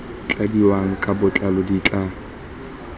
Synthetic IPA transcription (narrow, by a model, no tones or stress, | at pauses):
t͡ɬʼadiwaŋ̩kʼabʊt͡ɬʼalɔdit͡ɬʼa